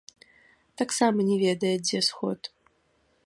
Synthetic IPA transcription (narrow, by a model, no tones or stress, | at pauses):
t̪aksamɐnʲɛvʲed̪ɐjɛzʲesxo̰t̪